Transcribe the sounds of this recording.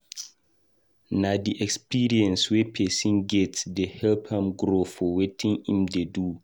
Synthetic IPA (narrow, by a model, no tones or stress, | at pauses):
nadiʔɛkspiɹiɛ̃nswepʰɛsĩnɡɛtsdehɛlpʰãmɡɾofɔwetʰĩŋĩmdedu